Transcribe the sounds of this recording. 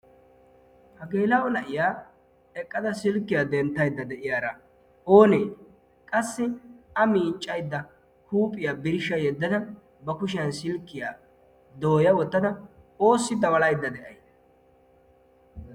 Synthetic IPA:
hɐɡeːlɐɔnɐʔɪjaː | ɛkʼːɐd̪ɐsɪlkːɪjaːd̪ɛnt̪ːɐjd̪ːɐd̪ɛʔɪjaːɾɐ | o̞ːnej | kʼɐsːɪɐmiːt͡ʃʼːɐjd̪ːɐ | huːpʼːɪjaːbɪɾɪʃɐjɛd̪ːɐd̪ɐ | bɐkʊʃɪjɐnsɪlkːɪjaː | d̪oːjɐwɔt̪ːɐd̪ɐ | o̞ːsːɪd̪ɐwɐlɐjd̪ːɐd̪ɛʔɐ̰jd̪ɐ̥

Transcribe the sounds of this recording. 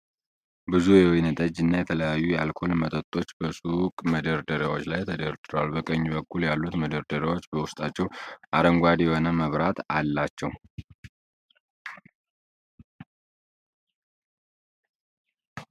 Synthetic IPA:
bɨzujɛwinət̪ʼəd͡ʒːɨnːajɛt̪ʰələjajːujɛalkʰo̞lmət̪ʼət̪ʼːo̞t͡ʃːbəsʼukʼməd̪əɾd̪əɾawo̞t͡ʃːlajt̪ʰəd̪əɾd̪ɨɾwalbəkʼəɲːbəkːuljalːut̪məd̪əɾd̪əɾawo̞t͡ʃːbəwʊst̪ʼat͡ʃːɛwʔaɾəŋɡʷad̪jɛho̞nəməβɾat̪alːat͡ʃːɛw

